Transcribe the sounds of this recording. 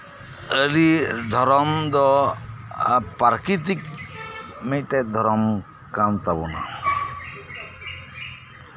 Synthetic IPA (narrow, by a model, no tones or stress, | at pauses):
əɾid̪ʱɔɾɔmd̪ɔ | paɾkit̪ik | meʈɛd̪ʱɔɾɔm | kamt̪abuna̰